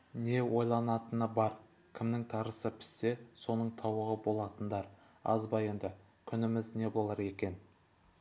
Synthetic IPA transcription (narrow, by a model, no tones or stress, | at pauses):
ne̞wo̞jlˠɑnɑt̪ənəbɑɾ | kʲʰɪmnɪŋt̪ʰɑɾəsəpʰɪ̥sːe̞so̞nəɴt̪ʰɑwəʁəbo̞lˠɑt̪ənd̪ɑɾ | ɑ̰zbɑje̞nd̪ɪ | kʲʰʏnɪmɪzne̞bo̞lˠɑɾe̞kʲe̞n